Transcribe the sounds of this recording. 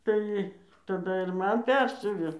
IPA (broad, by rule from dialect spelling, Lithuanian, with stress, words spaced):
ˈtɐɪ tɐˈdɐ ɪr ˈmɐn ˈpʲɛrʲsʲʊʋʲeː